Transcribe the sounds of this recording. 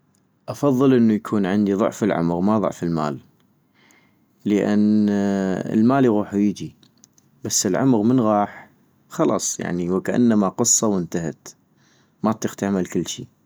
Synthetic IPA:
ʔɑfɑðˤːɨlʔənːujakʰuːnʕɪnd̪iðˤʊ̰ʕfəlʕʊ̰mɣmaðˤʊ̰ʕfəlma̰ːl | əʔa̰nː | ə̰lmaːliɣuːħujəd͡ʒi | basːəlʕʊmɣmənɣɑːħ | xɑlɑ̰ːsˤja̰ʕniwkaʔa̰nːamaqɨsˤːɑwɪnt̪ahat̪ | mat̪ːixt̪aʕmalkɪlːʃi

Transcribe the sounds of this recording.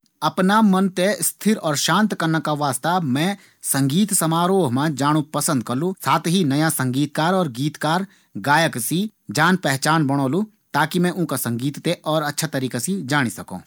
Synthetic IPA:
ɐpnamɐnt̪est̪ʰɪɾɔːɾʃãːnt̪kɐɾnakaʋaːst̪amɛ̃ | sɐ̃ŋɡiːt̪sɐmaːɾoːɦmãd͡ʒaːɽ̃upɐsə̃nd̪kɐɾlũsaːt̪ʰɦinɐjasɐ̃ŋɡiːt̪kaːɾɔːɾɡiːt̪kaːɾ | ɡaːjəksid͡ʒaːnpɛɦt͡ʃaːnbɐɽ̃oːlũ | t̪aːkimɛ̃ʔʊ̃nkasɐ̃ŋɡiːt̪t̪eʔɔːɾɐtːʃʰat̪ɐɾiːkasid͡ʒaːɽ̃isɐkõ̰ː

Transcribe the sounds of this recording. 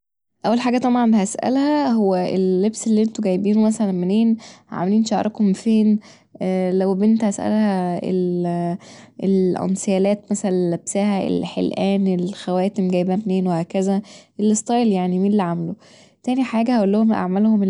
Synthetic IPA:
ʔæwːælħaːɡæt̪ˤɑbʕɑnbhæsʔæ̰lhæhowːæʔelːebselːiʔent̪oɡæjːbiːnomæsælænmeneːnhʕa̰meliːnʃaʕɾˤɑkhomfeːnː | læwbʔent̪hæsʔæ̰lhæḛl | elʕʔo̰nsejæːlæːt̪mæsælænnlæbsæhæḛlħḛlʔæːnelxæwæːt̪emɡæjbæmneːnwehæːkæzæʔelːest̪ˤɑjljaʕnimiːnlːiʕamlo | t̪æːniħaːɡæhæʔolːohomʔa̰ʕmælhome

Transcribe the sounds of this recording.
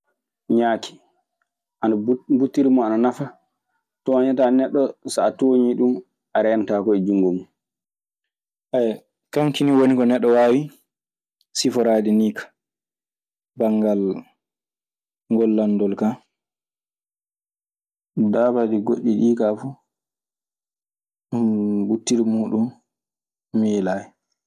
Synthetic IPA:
ɲaːkʰi̥ | ʔanabutːiɾimɔananafa | tɔaɲatanɛɗːɔsaːtoːɲiɗum | ʔaɾɛjantaːkɔɛd͡ʒuŋɡɔmu | ʔa | kaŋkiniwonikɔnɛɗːɔwaːwi | sifɔɾaːdiniːkḁ | baŋɡal | ŋɡɔlːandɔlka | daːbadiɡoɗːiɗiːkafu | butːiɾimuːɗumː | ilaːjɛ

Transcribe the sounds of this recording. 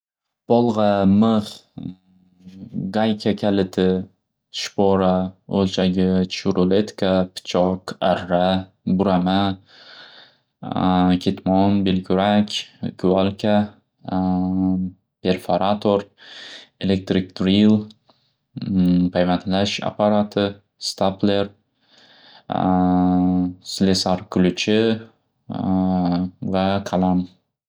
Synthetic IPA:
b̥ɒlˠʁɑmɨχ | ɡajkʲʰakʲʰalɪt̪ʰɪ | ʃpoɾaolt͡ʃʰaɡʲɪt͡ʃʰʊɾolet̪kʰapʰɪ̥t͡ʃʰɒqaɾːa | bʊɾama | kʲʰet̪ʰmɒnbelkʲʰʊɾakʲkʰʊalkʲʰa | pʰʲeɾfaɾat̪ʰoɾ | elek̚t̪ɾik̚t̪ɾil | pʰajvant̪laʃa̰paɾat̪ʰɪ | st̪apleɾ | slesaɾkʰʊlʊt͡ʃʰɪ | vaqʰalam

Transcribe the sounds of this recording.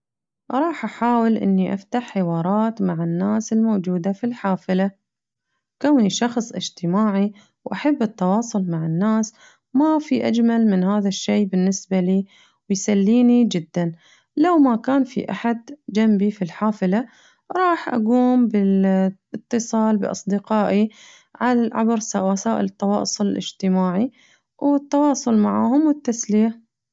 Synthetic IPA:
ʔɾˤɑːħʔaħaːwɪlʔɪ̰nːiʔa̰ft̪aħːɪwɑːɾˤɑːt̪maʕanːaːsɪlmowd͡ʒuːd̪afilħaːfɪla | kawniʃɑxsˤʔɪ̰d͡ʒt̪ɪmaːʕi | wʔaħabːɪt̪ːɑwɑːsˤʊlmaʕɪnːaːs | mafiʔad͡ʒmalmɪnhaːðaʃːeːbɪnːɪsbaliː | wɪjsalːiːnid͡ʒɪd̪ːan | lawmakaːnfḭʔaħad̪d͡ʒambifilħaːfɪla | ɾˤɑːħʔa̰ɡuːmbɪlɨt̪ːɨsˤɑːlbɪʔɑ̰sˤd̪ɪqɑːʔi | ʕalaʕa̰bɾsawasaːʔɪ̰lɨt̪ˤːɑwɑ̰ːʔsˤʊlɪlɪ̰d͡ʒt̪ɪmaːʕi | wɪt̪ːɑwɑːsˤʊlmaʕaːhʊmwɪt̪ːasliːa

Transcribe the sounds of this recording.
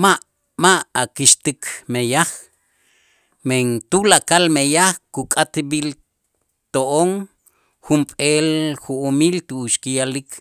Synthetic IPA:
maʔ | maʔakiʃt̪ikʰmejaχ | meŋt̪ulakalmejaχkukʼat̪bil | t̪oʔoŋ | xumpʼelxuʔːmilt̪uuʃkijalikʰ

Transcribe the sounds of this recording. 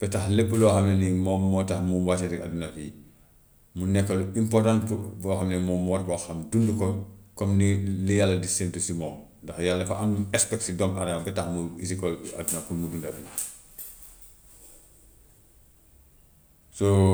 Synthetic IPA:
b̥ɛtaxlepːuloxɐmnenimɔmːɔtaxmuwasisia̰dunafi | munɛkːɐluimpɔrtãntbɔxamnemɔmuwaɾ̚kɔxɐmdundukokomnilijalːɐdisentusimɔndɐxjalːɐfa̰ʔanɛspɛk̚sidɔmaɾaabɛtaxmuisikɔa̰dunakunmudundadi | so

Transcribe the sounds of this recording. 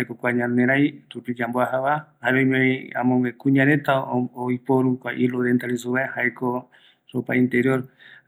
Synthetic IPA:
ekokʷaɲãnẽɾajt̪upid͡ʒamboahaβahaβojmẽa̰mõŋẽkuɲãɾẽ̞t̪aojpoɾukʷaʔiloðent̪aɾisuβahaeko | ɾopa̰ĩnt̪eɾjoɾ

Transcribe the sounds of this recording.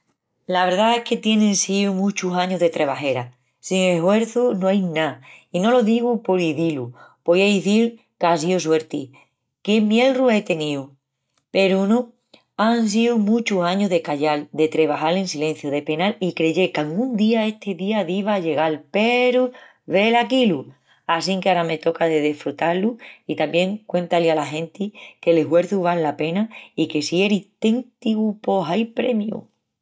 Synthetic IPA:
laβe̞ɾðae̞hke̞t̪je̞nẽnsiumũt͡ʃusaɲoɦðe̞t̪ɾʔe̞β̞aɦe̞ɾa | siŋe̞hwe̞ɾθunoajnaino̞lo̞ðiɣupoɾiðilupojaiθiɾ | kas̬ios̬we̞ɾt̪i | kemje̞lrue̞t̪e̞niu | pe̞ɾunõ | ans̬iumũt͡ʃusaɲoðe̞kaʝald̪e̞t̪ɾe̞β̞aɦalẽ̞nsilẽ̞n̟θjoðe̞pe̞nalikɾe̞ʝe̞kaŋɡũnd̪iae̞ht̪ʰe̞ðiaðiβaʝe̞ɣalpe̞ɾu | βe̞lakilu | asiŋkeaɾame̞t̪o̞kaðeðe̞fɾut̪aluit̪ambje̞ŋkwẽ̞nt̪alialaɦẽ̞nt̪ikeleɦwe̞ɾθuβ̞alːape̞naike̞sieɾit̪ent̪iɣupo̞ɦajpɾe̞mjṵ

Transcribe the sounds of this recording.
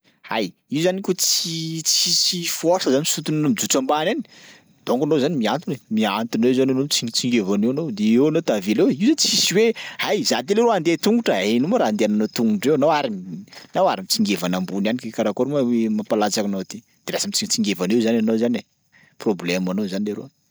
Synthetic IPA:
a̰j | iuzanikʲot͡sit͡sisifosəzanimisut̪unanomid͡zut͡sambanani̥ | d̪̥oŋɡanozanimiant̪unemiant̪unewzananot͡st͡siŋɡevanewanowd̪eewanot̪avilewiwzanit͡sisiwehajzat̪̬eleɾoand̪et̪uŋɡuʈ͡ʂəenumaɾaand̪eananot̪uŋɡuʈ͡ʂewanowaɾimnawaɾimit͡siŋɡevanambunanikekaɾakoɾmawemapalat͡sakanowat̪e | d̪̥elasamit͡sit͡siŋɡevanewzananowzane | problemanozanileɾo̰

